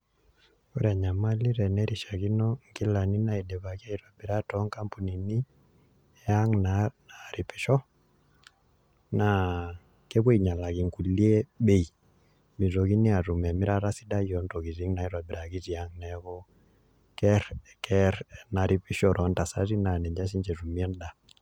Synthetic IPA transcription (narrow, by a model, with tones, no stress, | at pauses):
ɔ˦ɾa˨ɲa˨ma˦li˦ɾɛ˨nɛ˦ɾi˨ʃa˨ɣi˦nɔ˦ŋki˦la˨ni˦na˦˨i˨dɛ˨βa˨ɣi˦a˦i˨ɾwa˨bi˨ɾa˦tɔ˨˦ŋka˦mpu˨ni˨ni˦ | ja˦ŋnana˨ɾi˨pi˨ʃɔ˦ | na˨ | kɛ˦βwe˦i˨ɲa˨la˨ɣi˨ŋku˨li˦ɛ˦ɓɛ˦i˨ | mi˨ɾɔ˨ɣi˦ni˦a˨ɾu˨mɛ˨mi˦ɾa˦ɾa˦si˦da˦jɔ˨˦ntɔ˨ɣi˨zi˨˦ŋna˨i˦ɾwa˨bi˨ɾa˨ɣi˦zi˨a˦ŋnɛ˨ɣɔ˦ | kɛ˦ɾ | kɛ˦ɾna˨ɾʔi˨pi˦ʃɔ˨ɾʔɔ˨˦nta˨sa˦ɾi˦na˨nɛ˨ɲd͡ʒa˦ʃ̬i˦ɲd͡ʒɛ˨ru˨mi˦ɛ˦n˦da˨